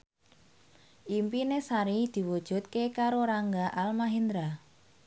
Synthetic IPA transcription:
ʔimpinesaɾid̪̥i̤wud̥ʒ̥ṳt̪̚kekaɾoɾaŋɡaʔalmaɦind̪ɾa

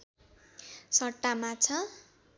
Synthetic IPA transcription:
sʌʈːamat͡sʰʌ

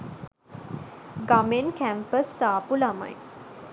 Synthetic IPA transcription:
ɡamenkæmpəsːaːpulama̰j

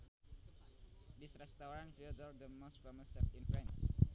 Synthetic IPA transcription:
disɾɛst̪aɾãnfildɔɾd̪əmost̪fɛməsɛf̚ĩnfɾɛ̃ns

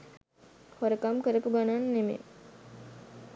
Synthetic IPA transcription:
hoɾəkamkəɾəpuɡananːemḛ

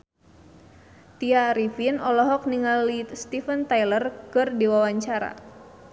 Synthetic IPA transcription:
t̪iaɾifinɔlɔɦɔk̚niŋalist̪ifənt̪ajlərkɨrdiwawaɲt͡ʃaɾa̰

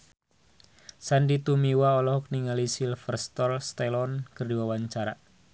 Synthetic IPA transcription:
sandit̪umiwaɔlɔhɔk̚niŋalisilfərst̪ɔlst̪ɛlɔnkərdiwawaɲt͡ʃaɾa

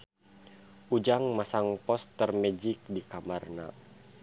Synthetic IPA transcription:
ʔud͡ʒaŋmasaŋpɔst̪ərmɛd͡ʒik̚dikamarna̰

